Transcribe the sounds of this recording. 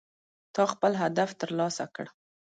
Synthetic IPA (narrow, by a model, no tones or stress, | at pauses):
t̪ɑxpəlɦad̪aft̪əɾlɑsakəɽ